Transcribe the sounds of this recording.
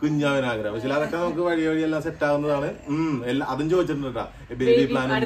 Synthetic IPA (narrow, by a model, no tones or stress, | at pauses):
kuɲːaːʋinaːɡɾɐɐmɐt͡ɕilaːðokːenɐmɐk̬ːɨʋɐɻijɐʋɐɻijelːaːmseʈːaːɣunːɐðaːɳɨmelːaʔɐðunt͡ɕo̞ːd̪it͡ɕːiʈunːɨɨʈːa̰ː | beːbipɭaːnɐ